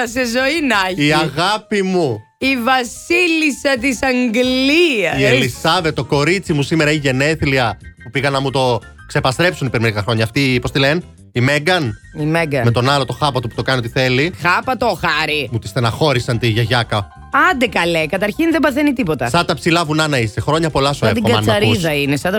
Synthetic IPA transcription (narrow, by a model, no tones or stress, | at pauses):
ɐsezo̞inɐçiɐiɣɐpimu | ivɐsilisɐt̪isɐŋɡliɐielisɐve̞t̪ːoko̞ɾit͡simusime̞ɾɐiʝe̞ne̞θliɐpupiɣɐnɐmut̪o̞ | kse̞pɐst̪ɾepsunipeɾimeɾikɐxɾo̞ɲɐːft̪ipost̪ilen | imeɡɐn | imeɡɐmet̪o̞nɐlo̞t̪o̞xɐpɐt̪opu̥t̪o̞kɐniot̪iθe̞lixɐpɐt̪oxɐɾimut̪ist̪enɐxo̞ɾisɐnt̪iʝɐʝɐkɐ | ɐnd̪ekɐlekɐt̪ɐɾçinðebɐθenit̪ipot̪ɐsɐt̪ɐpsilɐvunɐnɐisexɾo̞ɲɐpo̞lɐsoet̪iɡɐɐnɐɾuiðɐinesɐt̪ɐ